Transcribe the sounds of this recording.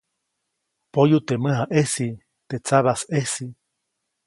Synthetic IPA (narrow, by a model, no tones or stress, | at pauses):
pojut̪emɨɦaʔesi | t̪et͡saβasesi